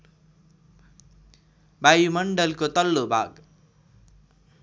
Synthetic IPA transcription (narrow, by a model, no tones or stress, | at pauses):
bʱajumʌɳɖʌlkot̪ʌlːobʱa̰ɡ